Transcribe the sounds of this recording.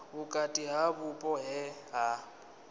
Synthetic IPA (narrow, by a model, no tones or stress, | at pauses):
bʊkʼatʼiɦabʊpʼɔɦɛɦa